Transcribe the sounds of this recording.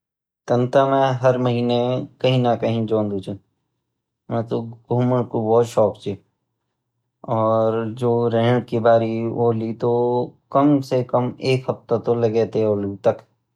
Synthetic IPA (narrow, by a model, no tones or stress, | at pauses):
t̪ɐ̃nt̪amẽɦɐɾməɦiːnekɐɦĩnakɐɦĩd͡ʒõːnd̪ut͡ʃẽ | mɛ̃ːt̪oɡuːməɽkobɔːt̪ʃɔːkt͡ʃe | ɔːɾd͡ʒoːɾɛɦɳkibaːɾiolit̪okɐmsekəmeːkɦɐft̪at̪olɐɡet̪eɔːluɡt̪ɐk